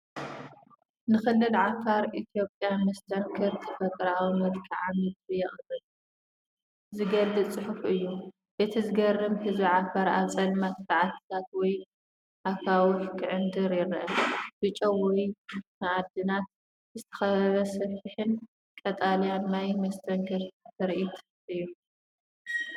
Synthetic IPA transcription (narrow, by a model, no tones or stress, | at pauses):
nɨxɨlːɨlʕafaɾʔit̪ʰijo̞pʼjamɐst̪ʰɐɾkʰɨɾt̪ʰɨfɐt̪ʼɾawmɐlkʰiʕamɨd̪bijɛχʼbʼɨl | zɨɡɐlːɨt͡sʼɨħufʔɨjːu | be̞t̪ʰizɨɡɐrːɨmhɨzbiʕafaɾat͡sʼɐlmɐt̪faʕat̪ʰt̪ʰat̪wɔj | ʔakʰawukʰɨʕɨnd̪ɨɾjɪɾʔɐnbɨt͡ʃʼowɔjnaʕad̪ɨnat̪̚ | zɨt̪ʰɐ̥xɐβɐβɐsɐfiħɨn | kʼɐt̪ʼalijannajmɐst̪ʰɐŋkʰɨɾt̪ʰɨɾʔit̪ | ʔɨjːu